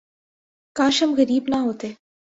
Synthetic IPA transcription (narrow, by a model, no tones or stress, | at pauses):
kãːʃəmɣɐɾiːbnaɦoːt̪eː